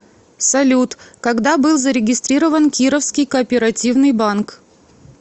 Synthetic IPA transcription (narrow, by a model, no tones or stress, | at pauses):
sɐlʲut̪kɐɡd̪abɨlˠzəɾʲɪɡʲɪst̪ɾʲiɾəvənkʲiɾəfskʲɪjkəːpʲɪɾɐtʲivnɨjbank